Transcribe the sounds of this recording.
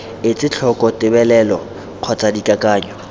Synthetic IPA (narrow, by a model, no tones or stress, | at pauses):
ɪt͡sʼɪt͡ɬʰɔkʼɔtɪbɛlɛlɔ | q͡χʰɔt͡sʼadikʼakʼaːɲɔ